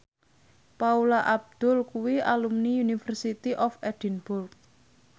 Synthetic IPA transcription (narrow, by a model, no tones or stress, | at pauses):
paulaʔab̚d̪̥ʊlkuwiʔalumniunifərsit̪iʔɔfɛd̪̥ənb̥ʊrk̚